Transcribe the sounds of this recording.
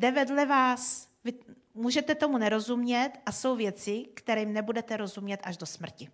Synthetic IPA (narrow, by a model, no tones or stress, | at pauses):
dɛvɛdlɛvaːsvɪ | muːʒɛt̪ɛt̪o̞munɛɾo̞zumɲɛt̪ʔaso̞wvjɛt͡sɪkt̪ɛɾɛmnɛbudɛt̪ɛɾo̞zumɲɛt̪ʔaʒdo̞smr̩cɪ